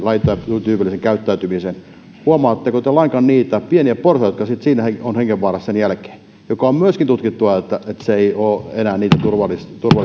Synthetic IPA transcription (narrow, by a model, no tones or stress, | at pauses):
lɑit̪ːˑɑɑt̪ut̪yːpilːˑiseŋkæyt̪ːæyt̪ymisen | huɑmɑːt̪ːekot̪elɑŋkɑnniːt̪æpieniæpporsɑjot̪kɑsit̪siːnæheonheŋɡeʋʋɑːrɑssenjælke̥ː | jokɑommyøskint̪ut̪kit̪ːuʋɑet̪ːæet̪seeioːenæːnniːt̪æt̪urʋɑlːˑist̪urʋɑl